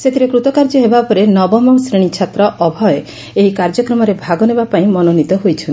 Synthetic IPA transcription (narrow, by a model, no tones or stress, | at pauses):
set̪ʰiɾekɾut̪ɔkaɾd͡ʒɔɦebapɔɾenɔbɔmɔwsɾeɽ̃it͡ʃʰat̪ɾɔʔɔbʱɔe | eɦikaɾd͡ʒɔkɾɔmɔɾebʱaɡɔnebapaĩmɔnonit̪ɔɦojt͡ʃʰɔn